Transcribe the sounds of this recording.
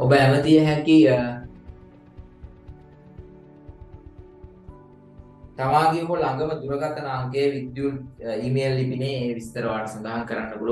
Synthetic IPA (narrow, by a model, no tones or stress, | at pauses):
obəæmət̪ijəɦɛŋkiəː | t̪amaːɡeɦolaŋɡəməd̪uɾəɡat̪ənaaŋkejʋid̪juliːmeːlːipineːʋist̪əɾəʋaːʈəsand̪aɦaŋkəɾanːəbul